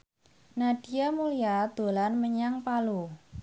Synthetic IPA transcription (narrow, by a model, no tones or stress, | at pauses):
naɖ̥i̤jamulijad̪̥o̤lanməɲaŋpalu